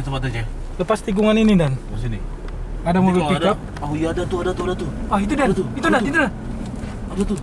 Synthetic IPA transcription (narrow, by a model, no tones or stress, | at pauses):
t̪əpat̪ad͡ʒa | ləpast̪iɡuŋaninidanbəsini | adamobilidkap̚ | aujadat̪uadat̪uadat̪uɔɦit̪̬udantit̪̬udait̪uda | adat̪u